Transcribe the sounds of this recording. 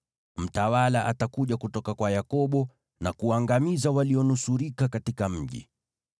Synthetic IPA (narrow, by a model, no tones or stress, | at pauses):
m̩tawalaʔatakuʄakutɔkakwajakɔɓɔ | nakuaŋɡamizawaliɔnusuɾikakatikam̩ʄḭ